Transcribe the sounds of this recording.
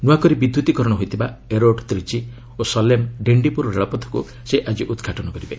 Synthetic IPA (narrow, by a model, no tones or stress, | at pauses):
nuwakɔɾibid̪jut̪ikɔɾɔɽɔɦojt̪ʰibaeɾoɖt̪ɾit͡ʃi | osɔlemɖeɳɖipuɾɔɾeɭɔpɔt̪ʰːɔ̥kṵ | seʔad͡ʒiʔud̪ɡʱaʈɔnɔkɔɾibe